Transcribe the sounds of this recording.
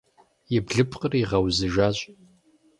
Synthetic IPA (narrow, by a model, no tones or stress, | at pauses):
jɪbɮɨpʰʼqʼəriʁɐwzɨʒaːɕʼ